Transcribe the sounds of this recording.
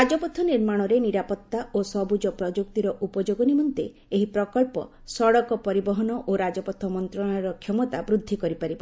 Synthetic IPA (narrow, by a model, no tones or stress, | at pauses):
ɾad͡ʒɔpɔt̪ʰːɔniɾmaɽ̃ɔɾeniɾapɔt̪ːaʔosɔbud͡ʒɔpɾɔd͡ʒuk̚t̪iɾɔʔupɔd͡ʒoɡɔnimɔnt̪ḛ | eɦipɾɔkɔɭpɔ̰ | sɔɽɔkɔpɔɾibɔɦɔnɔʔoɾad͡ʒɔpɔt̪ʰːɔmɔnt̪ɾɔɽ̃ajɔɾɔkʰjɔmɔt̪abɾud̪ʱːikɔɾipaɾibɔ